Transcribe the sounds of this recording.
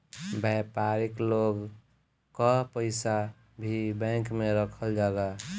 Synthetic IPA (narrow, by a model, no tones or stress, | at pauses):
bɛpaɾikloɡ | kɔpəɪsa | bʱibɛ̃kmeɾəkʰəld͡ʒaɡa